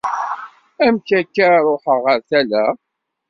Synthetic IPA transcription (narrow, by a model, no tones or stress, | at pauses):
æmkækːaɾˤoħəʁəɾθælæ